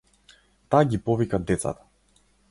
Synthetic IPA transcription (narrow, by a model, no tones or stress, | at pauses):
t̪aɡʲipɔvikad̪ɛt̪sa̰t̪ḁ